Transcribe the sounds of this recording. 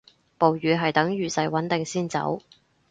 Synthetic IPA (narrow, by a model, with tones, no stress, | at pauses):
po˨wɥyː˨˧ɦɐ˨jt̪ɐ˨˥ŋjyː˨˩sɐ˨jwɐ˨˥nt̪ɪ˨ŋsiː˥nt͡sɐ̰˨˥w